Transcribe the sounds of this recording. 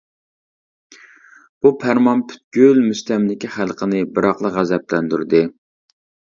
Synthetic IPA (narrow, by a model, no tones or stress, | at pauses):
b̥upʰæɾmɑnpʰy̥t̪̚ɡʲylmyst̪ɛmlɪkʲiχælˠqʰənɪbɨɾɑqlˠəʁæzɛplɛnd̪yɾd̪ɨ